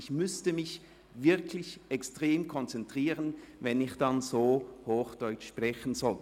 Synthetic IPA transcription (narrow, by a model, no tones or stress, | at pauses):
ɪçmʏstəmɪç | vɪɐkʰlɪçɛkstʁ̥eːmkʰɔnt͡sɛntʁ̥iːʁənvɛnɪçd̥ɑnzoːhoːxd̥ɔʏt͡ʃʃpʁɛçən̩zɔlt